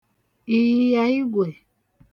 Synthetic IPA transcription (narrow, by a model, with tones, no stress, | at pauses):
i˧ji˦ja˧i˦ɡwe˨